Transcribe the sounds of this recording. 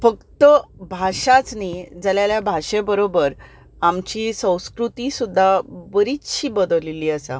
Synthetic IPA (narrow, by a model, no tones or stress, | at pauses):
fəkt̪əbʱaɕat͡snid͡zaljaljabʱaɕẽbəɾobəɾ | amt͡ɕiːsə̃w̃skɾut̪isud̪ʱːabəɾit͡sɕiːbəd̪əliliːəsa̰